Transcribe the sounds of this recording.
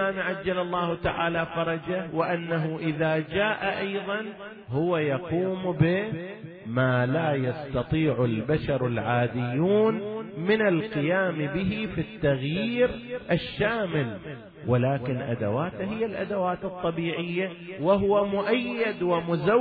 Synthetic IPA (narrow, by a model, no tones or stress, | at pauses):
aːmʕad͡ʒːalɑlˤːɑːhʊt̪aʕaːlafɑɾˤɑd͡ʒawɪʔanːaɦʊʔɪðaːd͡ʒaːʔaʔɑjðˤɑn | hʊwajaquːmbɪ | maːlaːjɑst̪ɑt̪ˤiːʕʊlbaʃɑɾˤɪlʕaːd̪ɪjːuːnmɪnalqɪjaːmbɪɦifit̪ːaɣjiːɾʔaʃːaːmɪl | wɪlaːkɪnʔa̰d̪a̰waːt̪aɦhɪjːalʔa̰d̪awaːt̪ɨt̪ˤːɑbiːʕɪjːawɪɦʊwamʊʔajːɪd̪wɪmʊza